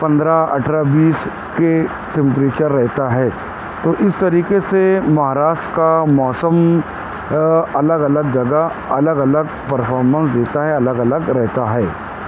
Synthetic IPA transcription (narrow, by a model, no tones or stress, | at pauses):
pɐ̃nd̪ɾaɐ̰ʈʰɾabiːs | ke | ʈɛ̃mpɾeːt͡ʃəɾːɛɦt̪aɦɛː | t̪oːʔɪst̪ɐɾiːkesemɐɦaːɾaːʃʈkamɔːsəm | ɐləɡɐləɡ̚d͡ʒɐɡə | ɐləɡɐləɡ | pɐɾfʰɔːɾmə̃nsd̪eːt̪aɦɛɐləɡɐləɡɾɛɦt̪aɦɛː